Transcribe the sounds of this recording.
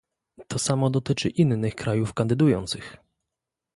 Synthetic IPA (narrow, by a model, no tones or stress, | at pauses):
t̪ʰɔsamɔd̪ɔt̪ɘt͡ʂɘʔinːɘxkɾajufkand̪ɘd̪ujɔnt̪sɘx